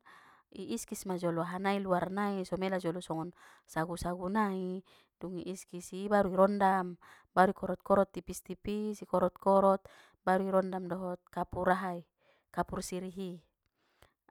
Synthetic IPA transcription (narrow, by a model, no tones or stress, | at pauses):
iːskismad͡ʒɔlɔaɦanailuarnaisɔmelad͡ʒɔlɔsɔŋɔn | saɡusaɡunai | duŋḭʔiskisibaɾuiɾɔndam | baɾuikɔɾɔt̪̚kɔɾɔt̪ːipist̪ipisikɔɾɔt̪̚kɔɾɔt̪̚ | baɾuiɾɔndamdɔɦɔt̪̚kapuɾaɦai | kapursiɾiɦi